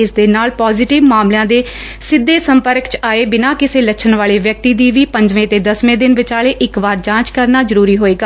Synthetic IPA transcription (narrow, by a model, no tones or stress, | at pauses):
ɪsd̪eːnaːlpɔːzɪʈɪʋmaːmljãːd̪eː | sɪd̪ːeːsəmpəɾkt͡ʃaːeːbɪnãːkɪseːlət͡ʃʰənʋaːɭeːʋjək̚t̪iːd̪iːʋiːpəɲd͡ʒʋẽːt̪eːd̪əsʋẽːd̪ɪnʋɪt͡ʃaːɭeːʔɪkʋaːɾd͡ʒãːt͡ʃkəɾnaːzəɾuːɾiːɦoːeːɡaː